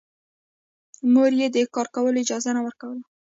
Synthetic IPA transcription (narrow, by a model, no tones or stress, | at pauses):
moɾjed̪əkɑɾkawəloɪd͡ʒɑzanawəɾkawəla